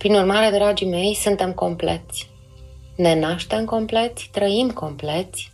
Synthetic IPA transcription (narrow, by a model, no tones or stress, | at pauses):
pɾinurmaɾe̞d̪ɾad͡ʒime̞jsunt̪e̞mko̞mple̞̰t̪sʲ | ne̞naʃt̪e̞mko̞mple̞t̪sʲt̪ɾəimko̞mple̞t̪sʲ